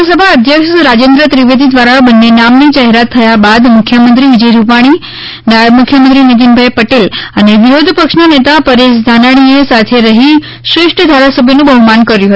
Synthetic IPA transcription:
səbʱaəd̪ʱjəkʃɾad͡ʒend̪ɾət̪ɾiʋed̪id̪ʋaɾabənːenamnid͡ʒaɦeɾat̪ʰːəjabad̪mukʰjəmənt̪ɾiʋid͡ʒəjɾupaɽ̃i | namukʰjəmə̃nt̪̬ɾinit̪̬inbʱajpəʈeləneʋiɦod̪ʱpəkʃnanet̪apəɾeʃd̪ʱanaɽ̃iesat̪ʰeɾəɦi | sɾɪʂʈʰəd̪ʱaɾasəbʱjənũbʱəɦmankəɾjũɦət̪

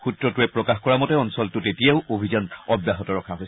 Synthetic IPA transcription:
xutɹɔtuɛpɹɔkaxkɔɹamɔtɛɔnsɔltʊtetijaʊobʱizɔnɔbjaɦɔtɔɹɔkʰaɦojs

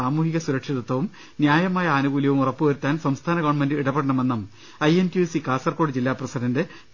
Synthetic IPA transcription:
aːmuːhiɣɐsuɾɐkʂiðɐt̪ːwɐʋum | njaːjɐmaːjɐaːnuɡuːljɐʋumurɐpːɨʋɐɾut̪ːaːnsɐmst̪ʰaːnɐɣoːɳmendɨiɽɐpeɽɐɳɐme̞nːɐm | ɐjentjuːsikaːsɐrko̞ːɽɨd͡ʑilːaːprɐsɐninde

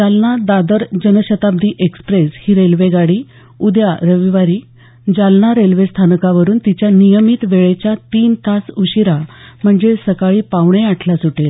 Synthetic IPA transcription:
d͡zalnad̪ad̪əɾd͡ʑənəɕət̪ab̚d̪ʱiːʔekspɾeshiːɾelʋeɡaɽiː | ud̪jaɾəʋiʋaɾiː | d͡ʑalnaɾelʋest̪ʰankaʋəɾuːnt̪it͡ɕjanijəmiːt̪ʋeɭet͡ɕjat̪iːnt̪ʰasuɕiɾam̤əɳd͡zesəkaɭiːpaʋɳeaʈʰlasuʈel

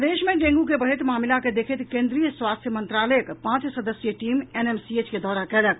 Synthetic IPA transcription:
d̪eːʃmẽɖẽːŋɡukebɐɽ̤ɪt̪maːmɪlaked̪eːkʰɪt̪kẽːnd̪ɾijəswaːst̪ʰjəmə̃nt̪ɾaːləjəkpãːt͡ʃsɐd̪əsjəʈiːmeneːmsieːt͡ʃked̪ɔːɾakɛːɽək

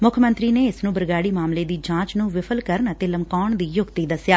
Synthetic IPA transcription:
mʊkʰmə̃nt̪ɾiːneːɪsnũːbəɾɡaːɽiːmaːmleːd̪iːd͡ʒãːt͡ʃnũːʋɪpʰəlkəɾəɳət̪eːləmkaːɳd̪iːjʊɡt̪iːd̪əsjaː

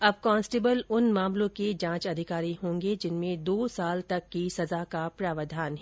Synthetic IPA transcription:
ɐb̚kɔ̃ːnsʈeːbəlʊnmãːmlõked͡ʒãːt͡ʃɐd̪ʱɪkaːɾiɦõːŋɡed͡ʒɪnmẽd̪oːsaːlt̪ɐkːisɐzakapɾaːʋəd̪ʱaːnɦɛ

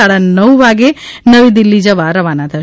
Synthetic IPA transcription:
ɐɽɐnɐwʋaːɡenɐʋid̪ilːid͡ʒɐʋaːɾɐʋaːnaːd̪ʰʱɐ

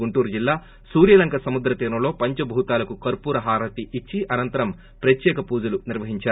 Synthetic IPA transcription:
ɡuɳʈuːɾd͡ʒilːaː | suːɾjɐlɐŋkʰɐsɐmud̪ɾɐt̪iːɾnɐlo̞ːpɐɲt͡ʃɐbʱuːt̪aːlɐkukɐɾpuːɾɐɦaːɾɐt̪iʔit͡ʃːiʔɐnɐnt̪ɐɾɐm | pɾɐt̪jɛːkɐpuːd͡ʒɐluniɾʋɐɦiɲt͡ʃaːɾ

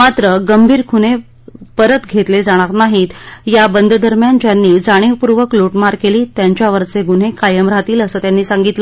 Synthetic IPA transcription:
mat̪ɾəɡəmbʱiːɾkʰune | pəɾət̪ɡʱet̪led͡zaɽ̃aɾnaɦit̪jabənd̪ʱd̪əɾmjant͡ɕjanːiːd͡zaɽ̃ipuɾʋəkloʈmaɾkeliːt̪jaɲt͡ɕjaʋəɾt͡seɡun̤ekajəmɾat̪iːləsəːt̪janːiːsaŋɡit̪lə

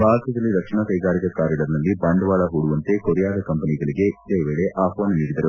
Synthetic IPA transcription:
bʱaːɦɐt̪ɐd̪ɐlːiɾɐkʂɐnɐkɐjɡaːɾikɐkaːɾjɐɽɐɾnɐlːibaːɳɖʋaːɭɐɦuɽuʋɐnt̪e̞koɾijaːd̪ɐkɐmpɐniɡɐɭiɡe̞d̪eːʋeːɭeʔʔaːpoːnniːɽid̪ɐɾu

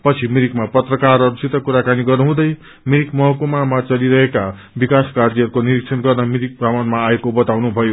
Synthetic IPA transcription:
pʌt͡sʰimiɾikmapʌt̪rʌkarʌɾut͡sit̪ːʌkuɾakaniɡʌrnuɦũd̪ʌj | miɾikmʌɦʌkomamat͡sʌliɾʌɦeka | bikaskard͡ziʌɾukoniɾik̚t͡sʰʌnɡʌrnʌmiɾik̚pramanmaːekobʌt̪awnubʱʌjo

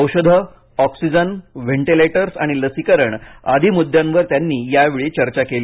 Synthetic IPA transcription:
əwɕəd̪ʱə | ɔksid͡ʑənʋeɳʈileʈəɾsa̰ɽ̃iləsikəɾəɳa̰d̪ʱimud̪ʱjãnʋəɾt̪janːiːjaʋeɭit͡ɕəɾt͡ɕakeli

